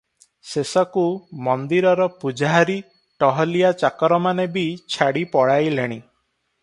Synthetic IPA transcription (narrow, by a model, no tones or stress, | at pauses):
sesɔkumɔnd̪iɾɔɾɔpud͡ʒaɦaɾi | ʈɔɦɔlijat͡ʃakɔɾɔmanebit͡ʃʰaɽipɔɽajleɽ̃i